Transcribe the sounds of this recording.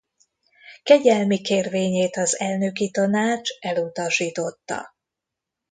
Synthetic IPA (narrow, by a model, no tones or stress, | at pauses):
kɛɟɛlmikeːrveːɲeːt̪ɒzɛlnøkit̪ɒnaːt͡ʃɛlut̪ɒʃiːt̪o̞t̪ːɒ̰